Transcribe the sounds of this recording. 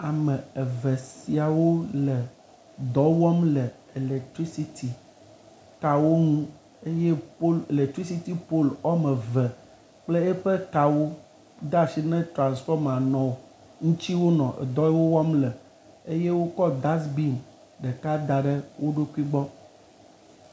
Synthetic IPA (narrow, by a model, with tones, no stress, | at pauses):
a˨mə̃˨e˨vɛ˨si˨a˨wo˦lə˨ | d̪ɔ˦wɔ˦mlə˨ | e˨le˨k̚t̪ɾi˦si˦t̪ʰi˨ | ka˨wo˦ŋũ˦ | e˦je˦po˦le˨le˨k̚t̪ɾi˦si˦t̪i˦po˦lɔ˦mə̃˨vɛ˨ | k͡ple˦ɛ˦ɸe˦ka˨wo˦ | d̪a˦˨si˦nɛ̃˦t̪ɾã˨nsfɔ˦m˨a˨nɔ̃˨o˨ | ŋũ˦t͡ɕi˦wo˦nɔ̃˨ʔḛ˨d̪ɔ˦wo˦wɔ˦mlə˨ | e˦je˦wo˦kɔ˦d̪a˦sbi˦m | ɖɛ˨ka˦d̪a˨ɖə˦wo˦ɖo˦ku˦i˦ɡ͡bɔ˦